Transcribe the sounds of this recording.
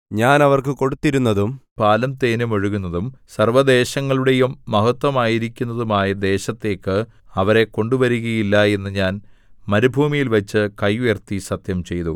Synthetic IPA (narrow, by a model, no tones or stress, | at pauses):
ɲaːnɐʋɐrkɨko̞ɽut̪ːiɾunːɐðumpaːlɐmt̪e̞ːnumoɻuɣunːɐðumsɐrʋɐd̪e̞ːɕɐŋːɐɭuɽe̞jumːɐɦɐt̪ʋɐmaːjiɾikʲːunːɐðumaːjɐd̪e̞ːɕɐt̪ːe̞ːkːɨ | ɐʋɐɾe̞ko̞ɳɖuʋɐɾuɣɐjilːɐe̞nːɨɲaːnmɐɾubʱuːmijilʋɐt͡ɕːɨkɐjʋeːrt̪isɐt̪jɐmt͡ɕe̞jt̪ṵ